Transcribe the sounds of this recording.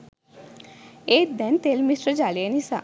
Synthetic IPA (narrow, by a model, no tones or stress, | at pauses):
et̪̚d̪ɛnt̪elmisʈɾəd͡ʒalienisa̰